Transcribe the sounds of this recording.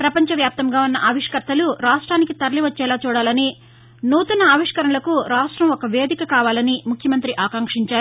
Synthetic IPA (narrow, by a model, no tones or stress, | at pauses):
pɾɐpɐɲt͡ʃɐʋjaːp̚t̪ɐmɡaːunːɐʔɐːʋiʂkɐɾt̪ɐluɾaːʂʈɾaːnikit̪ɐɾɐliʋɐt͡ʃːɛːlaːt͡ʃuːɽaːlɐni | nuːt̪unɐːʋiʂkɐɾɐɳɐlɐkuɾaːʂʈɾɐmɔkɐʋeːd̪ʱikɐkaːʋaːlɐnimukʰjɐmɐnt̪ɾiʔaːkɐŋkʂiɲt͡ʃaːɾ